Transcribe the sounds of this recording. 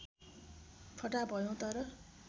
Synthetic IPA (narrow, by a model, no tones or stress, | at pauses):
pʰʌʈabʱʌjõt̪ʌɾʌ